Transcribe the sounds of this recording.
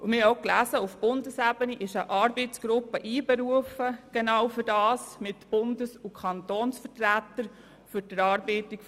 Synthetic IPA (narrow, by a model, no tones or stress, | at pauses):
ʔumɪhoklæsəʊfb̥ʊndəsæbəniʔɪʃəʔɑːɾbɛɪt͡sɡ̥ɾʊpːəʔiːbɛɾuəfəɡ̥enɑwfʏɾdɑːsmɪtb̥ʊndəsukʰɑntoːnsfətɾætəɾ | fʏɾdəɾɑːɾbɛtik